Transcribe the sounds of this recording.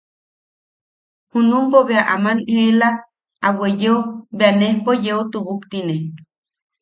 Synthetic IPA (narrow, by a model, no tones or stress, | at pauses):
hunumpoβeaʔamanela | awejeobeanehpojeot̪uβukt̪ine